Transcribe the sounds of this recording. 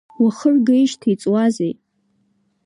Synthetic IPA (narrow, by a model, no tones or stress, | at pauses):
waχərɡejʃtʰit͡sʼwazej